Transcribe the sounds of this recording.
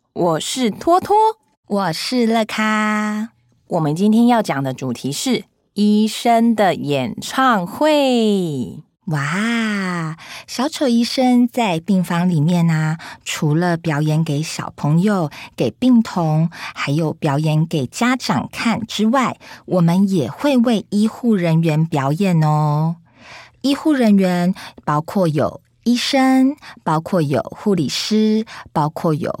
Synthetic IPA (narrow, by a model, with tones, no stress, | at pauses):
wɔ˨˩ʂɻ̩˥˩t̪ʰwɔ˥t̪ʰwɔ˥ | wɔ˨˩ʂɻ̩˥˧lɤ˥˧kʰa˥ | wʔɔ˨˩mə˦nt͡ɕi˥nt̪ʰjɛ˥njɑ˥˩ʊt͡ɕjɑ˨˩ŋd̪ə˦ʈ͡ʂu˨˩t̪ʰi˧˦˥ʂɻ̩˥˩ | i˥ʂə˥ŋd̪ə˨jɛ˨˩nʈ͡ʂʰɑ˥˧ŋxwe˥˨˩ | wa˥˩ | ɕjɑ˧˥ʊt͡ɕʰo˧˥ʊi˥ʂə˥ŋt͡sa˥˧ɪpi˥˩ŋfɑ˧˥ŋli˨˩mjɛ˥˩nə˩ʈ͡ʂʰu˧˥lə˧pjɑ˧˥ʊjɛ˧˥nke˧˥ɪɕjɑ̰˨˩ʊpʰɤ˧˥ŋjo˨ʊke˨˩ɪpi˥˩ŋt̪ʰʊ˧˥ŋxa˧˥ɪjo˨˩ʊpjɑ˧˥ʊjɛ˧˥nke˨˩ɪt͡ɕja˥ʈ͡ʂɑ˨˩ŋkʰa˥˩nʈ͡ʂɻ̩˥wa˥˩ɪwʔɔ˨˩mə˦njɛ˨˩xwe˥˧ɪwe˥˩ɪi˥xu˥˩ɻə˧˥nɥɛ˧˥npjɑ˧˥ʊjɛ˨˩nɔ˧ | i˥xu˥˩ɻə˧˥nɥɛ˧˥npɑ˥ʊkʰwɔ˥˩jo˨˩ʊ | i˥˩ʂə˥ŋpɑ˥ʊkʰwɔ˥˩jo̰˨˩ʊxu˥˩lḭ˨˩ʂ̩˥pɑ˥ʊkʰwɔ˥˩jo̰˨˩˦ʊ